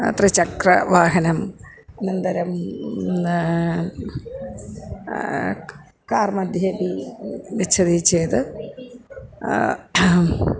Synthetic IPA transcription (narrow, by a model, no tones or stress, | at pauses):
t̪rit͡ɕɐkrɐʋaːɦɐnɐm | nind̪ɐɾɐm | kaːrmɐd̪ʱjeːd̪iʋit͡ɕʰɐðit͡ɕːeːt̪ɨ